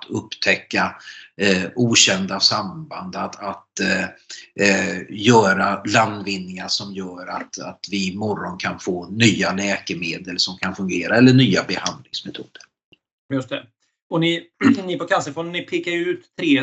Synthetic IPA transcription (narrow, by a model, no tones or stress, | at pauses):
t̪ʰɵpːt̪ʰɛkːa | uːɕɛnd̪asamband̪ad̪at̪ | jœːɾalanvɪnːɪŋaʂɔmjœːɾa̰t̪at̪vɪmɔɾɔnkʰanfoːnyːalɛːkəmeːd̪əlsɔmkʰanfɵŋɡeːɾʔaɛlːəɳyːabɛhand̪lɪŋsmɛt̪ʰṵːd̪̥əɾ | jɵst̪ɛ | ɔnɪnɪpɔkʰalsəfɔnnɪpʰeːkaɾjʉ̟ːt̪ʰːɾeː